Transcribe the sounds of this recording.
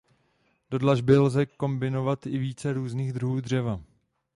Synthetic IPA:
d̥o̞dlaʒbɪlzɛko̞mbɪno̞vat̪ɪviːt͡sɛɾuːzniːɣd̪ɾuɦuːdr̝ɛva

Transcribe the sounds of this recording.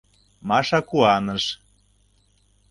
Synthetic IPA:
mɑʃɑkuɑnɤʃ

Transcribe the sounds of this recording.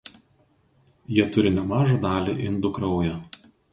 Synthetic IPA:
jiɛt̪ʊɾʲɪnʲɛmɑːʒɑd̪ɑːlʲiʔɪnd̪ʊkɾɐʊjɛ

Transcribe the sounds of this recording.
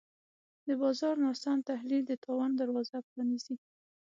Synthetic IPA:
d̪əbɑzɑɾnɑsɑnt̪ahlild̪ət̪ʰɑwand̪aɾwɑzapɾɑnizi

